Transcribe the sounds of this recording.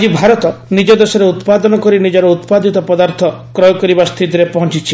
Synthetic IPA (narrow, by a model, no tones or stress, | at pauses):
d͡ʒibʱaɾɔt̪ɔnid͡ʒɔd̪esɔɾeut̪pad̪ɔnɔkɔɾinid͡ʒɔɾɔut̪pad̪ʱit̪ɔpɔd̪aɾt̪ʰɔkɾɔjɔkɔɾibast̪ʰid̪iɾepɔɦɔnt͡ʃit͡ʃʰi